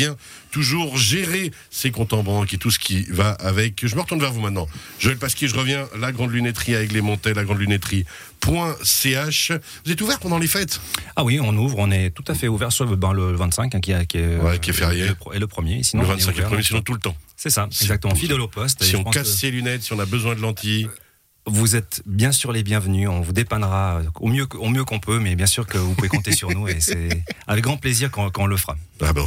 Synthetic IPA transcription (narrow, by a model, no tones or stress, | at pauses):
ɛ̃ | t̪uʒuʁʒeʁe | sekɔ̃t̪ɑ̃bɑ̃ket̪usə̥kʲivaavɛkʒəməʁət̪uʁnvɛʁvumɛ̃t̪nɑ̃ | ʒoɛlpaskʲjeʒəʁəvjɛ̃laɡʁɑ̃d̪lynɛt̪χiavɛklemɔ̃t̪ɛlaɡʁɑ̃d̪lynɛt̪χi | pwɛ̃seaʃ | vuzɛt̪uvɛʁpɑ̃d̪ɑ̃lefɛt̪awiɔ̃nuvʁɔ̃nɛt̪ut̪afɛuvɛʁsbãlələvɛ̃t̪sɛ̃kɛ̃kʲiɛkʲiɛwɛkiɛfɛʁjeəpɛləpχəmjesinɔ̃əvɛ̃t̪sɛ̃kvɛʁəmjesenɔ̃t̪ulət̪ɑ̃sɛsaɛɡzak̚t̪əmɑ̃fid̪ɛlopɔst̪sʒiɔ̃pɑ̃kaselynɛt̪siɔ̃nabəzwɛ̃d̪əlɑ̃t̪ʰi | vuzɛt̪bjɛ̃syʁlebjɛ̃vənyɔ̃vud̪epanʁaøomjøkomjøkɔ̃pʰømɛbjɛ̃syʁkəvupuvekɔ̃t̪esyʁnuesɛavɛk̚ɡʁɑ̃pleziʁkɔ̃kɔ̃ləfəʁaabɛ